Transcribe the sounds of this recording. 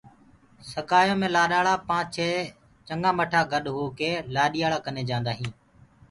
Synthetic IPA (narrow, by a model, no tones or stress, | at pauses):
səkaːjõːmẽːlaːɗaːɭaːpãːt͡ʃʰeː | t͡ʃəŋɡãːməʈʰaːɡəɗɦoːkeːlaːɗɪjaːɭaːkəneːd͡ʒãːnd̪aːɦĩː